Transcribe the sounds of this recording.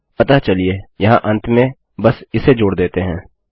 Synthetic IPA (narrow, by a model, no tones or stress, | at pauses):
pɐt̪at͡ʃɐliejɐɦãʔɐ̃nt̪ʰmẽ | bɐsɪsed͡ʒoːɽd̪eːt̪eɦɛ̃ː